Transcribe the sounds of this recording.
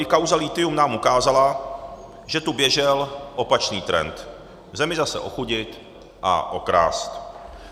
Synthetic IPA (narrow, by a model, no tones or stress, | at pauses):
ɪkawzalɪt̪ɪumnaːmukaːzala | ʒɛt̪ubjɛʒɛlʔo̞pat͡ʃniːt̪ɾɛ̰nt̪ | vzɛmɪzasɛ̰ʔo̞xuɟɪt̪ | ʔa̰ʔo̞kɾa̰ːst̪